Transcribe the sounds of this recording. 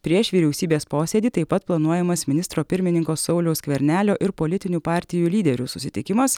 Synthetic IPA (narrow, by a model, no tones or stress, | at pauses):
pʲɾʲiɛʃʋʲiːɾʲɛʊsʲiːbʲeːspoːsʲeːd̪ʲiːt̪ɐɪpːɐt̪plˠɐnuɔjɛmɐsmʲɪnʲɪst̪ɾoːpʲɪɾʲmʲɪnʲɪŋkoːsːɒʊlʲɛʊskʋʲɛɾʲnʲæːlʲoːʔɪɾpoːlʲɪt̪ʲɪnʲuːpɑːɾʲt̪ʲɪjuːlʲiːd̪ʲɛɾʲʊsʊsʲɪt̪ʲɪkʲɪmɐs